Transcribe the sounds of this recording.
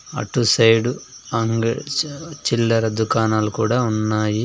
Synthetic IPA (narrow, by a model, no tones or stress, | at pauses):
ɐ̰ʈusɐjɖu | ɐŋɡ | t͡ʃilːɐɾɐd̪ukaːnaːlukuːɽaːunːaːji